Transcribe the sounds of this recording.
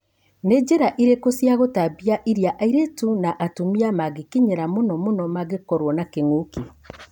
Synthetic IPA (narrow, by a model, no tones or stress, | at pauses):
ned͡ʒeɾaʔiɾekosjaɣotabiaʔiɾjaʔaiɾetunaʔatumiamaɡekiɲeɾamonɔmonɔmaɡekɔɾwɔnakeŋoki